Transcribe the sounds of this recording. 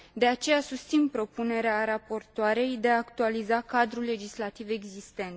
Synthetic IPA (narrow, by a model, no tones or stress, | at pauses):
d̪e̞at͡ʃe̞jasust̪sinpɾo̞pune̞ɾeaɾapo̞rt̪oaɾe̞jd̪e̞aːkt̪ualizakad̪ɾulːe̞d͡ʒislat̪ive̞ɡzist̪e̞nt̪